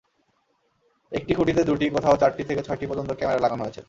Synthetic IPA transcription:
ek̚ʈikʰuʈit̪ed̪uʈikot̪ʰaot͡ɕaɾʈit̪ʰeket͡ɕʰɔjʈipɔɾd͡ʑont̪okɛmeɾalaɡanoɦojet͡ɕʰḛ

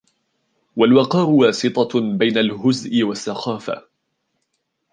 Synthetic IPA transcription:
walwɑqɑːʔʊwɑːsɨt̪ˤɑbajnalhʊzʔɪwasːaxaːfa̰

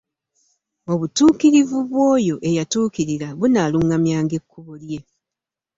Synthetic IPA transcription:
o̞βutuːkiɾivuβwo̞ːjo̞ʔe̞jatuːkiɾiɾaβunaluŋːamjaːŋɡe̞kːuβolje̞

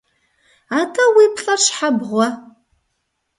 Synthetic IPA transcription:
atʰɐwipʰɬʼɐrʂħabʁʷa

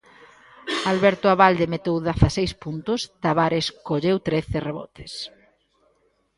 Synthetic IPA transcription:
alβɛɾt̪ʊaβald̪emet̪ewðaθasejspunt̪ʊst̪aβaɾeskoʎewt̪ɾeθɪreβɔ̰t̪e̥s

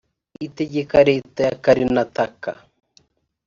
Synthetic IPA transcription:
it̪ejekaɾet̪eakaɾinat̪aka̰

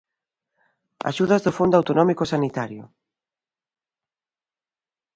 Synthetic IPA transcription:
a̰ʃuðɐzðʊfond̪oawt̪onɔmikosanit̪aɾjʊ̰

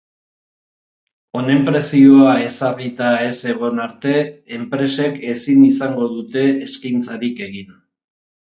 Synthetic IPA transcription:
o̞ne̞mpɾe̞sioae̞sarit̪ae̞se̞ɣ̞o̞naɾt̪e̞ːmpɾe̞se̞ke̞sinisaŋɡo̞ðut̪e̞ːskajnt͡saɾike̞ɣ̞in

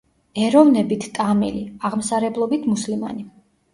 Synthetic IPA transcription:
ɛɾɔvnɛbit̪ʰt̪ʼamḭliaʁmsaɾɛblˠɔbit̪ʰmuslima̰ni

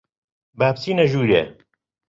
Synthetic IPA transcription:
baːpsiːnɐʒuːɾḛː

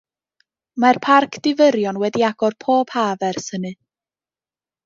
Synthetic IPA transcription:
marpʰarkʰd̥ɪvəɾjɔnwɛdiaɡɔrpʰoːbhaːvɛrsənɨ

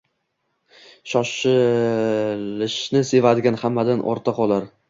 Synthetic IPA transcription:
ʃɒʃɪ | lɪʃnɪse̞vad̪ɪɡʲanhamːad̪anʔɒ̰ɾt̪ʰɑqɒlˠaɾ

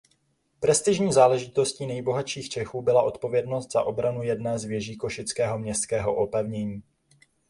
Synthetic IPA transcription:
pɾɛst̪ɪʒɲiːzaːlɛʒɪt̪o̞scinɛjbo̞ɦat̪ʃiːxt͡ʃɛxuːbɪlaʔo̞t̪po̞vjɛdno̞st̪z̥a̰ʔo̞bɾanujɛdnɛːzvjɛʒiːko̞ʃɪt͡skɛːɦo̞mɲɛst̪kɛːɦo̞ʔopɛvɲɛɲiː

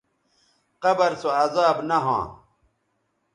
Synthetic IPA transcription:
qɐbɐɾsoɐzaːbnɐɦã̰ː

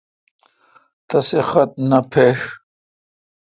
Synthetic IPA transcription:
t̪ɐsexɐt̪̚nɐpʰeːʂ

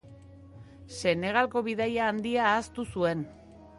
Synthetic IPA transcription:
se̞ne̞ɣ̞alko̞βiðajaːnd̪iaːst̪usue̞n

